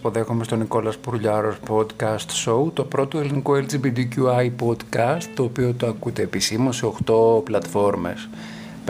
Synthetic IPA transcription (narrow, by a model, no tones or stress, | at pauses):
po̞ðe̞xome̞st̪o̞niko̞lɐspuɾuʎɐɾo̞spo̞d̪kɐst̪so̞ut̪o̞pɾo̞t̪oelinikoeld͡zibid̪icuɐipo̞d̪kɐst̪ːo̞ːpio̞t̪oɐkut̪e̞ːpisimunseo̞xt̪o̞plɐt̪fo̞ɾme̞̰s | p